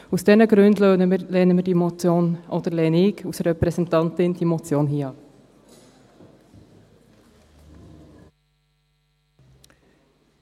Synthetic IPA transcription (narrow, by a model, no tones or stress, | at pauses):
usd̥ɛnəɡɾʉndløəleːnəmiːdimot͡sjoːnʔod̥əlɛːnikusrɛpɾɛsɛntɑntɪnd̥iːmot͡sjoːnɦiːɑ